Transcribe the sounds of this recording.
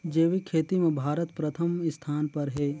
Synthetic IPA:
d͡ʒeːʋikʰeːt̪imẽbʱaːɾət̪pɾɐt̪ʰəmɪst̪ʰaːnpɐɾɦɛː

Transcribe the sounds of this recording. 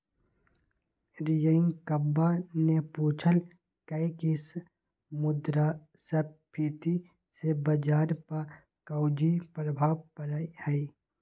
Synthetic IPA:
ɾijəɪŋkəbːanepuːt͡ʃʰəl | kəɪkɪs | mʊd̪ɾa | səpʰit̪i | sebəd͡ʒaːɾpa | kɐʊd͡ʒipɾəbʱaːʋpəɾəihəi

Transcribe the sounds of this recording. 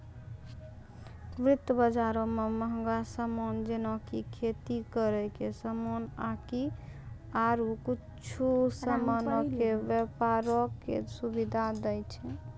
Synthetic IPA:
mɾɪt̪ːəbəd͡ʒaɾõmeməɦə̃ŋɡasəmond͡ʒenɔkikʰet̪ikəɾəkesəmonaki | aɾuki | t͡ʃʰusəmanɔkebəpaɾɔkːḛsubid̪ʱad̪əjt͡ʃʰɛ

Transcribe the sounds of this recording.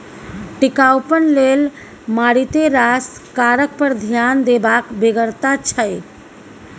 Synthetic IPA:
ʈikawpənlel | maɽit̪eɾaskaɾək̚pəɾd̪ʱjand̪ebakbeɡəɾt̪at͡ʃʰəj

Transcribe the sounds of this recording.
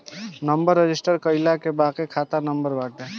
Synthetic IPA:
nəmbəɾːed͡ʒisʈəɾkəɪlakebakekʰat̪anəmbəɾbaʈ̪ɛ

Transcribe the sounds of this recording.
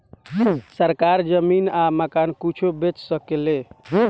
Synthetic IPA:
səɾkaɾd͡ʒəminaməkankit͡ʃʰobet͡ʃsəkele

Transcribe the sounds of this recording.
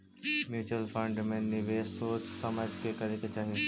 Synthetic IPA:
mjuːt͡ʃəlfə̃ɳɖmẽːniʋeːsoːt͡ʃsɐməd͡ʒkekɐɾeket͡ʃaːɦĩ

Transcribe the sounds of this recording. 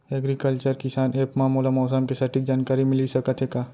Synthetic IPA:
ɛɡɾikəlt͡ʃəɾkɪsaːneːpmaːmulamɔːs̬əmkesɐʈik̚d͡ʒaːnkaːɾimɪlisɐkət̪ʰeːkaː

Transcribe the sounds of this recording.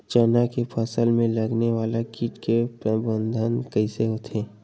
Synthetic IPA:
t͡ʃənakepʰəsəlmẽlɐɡneʋaːlakiːʈkepɾəbə̃nd̪ʱənkəiseɦot̪ʰeː

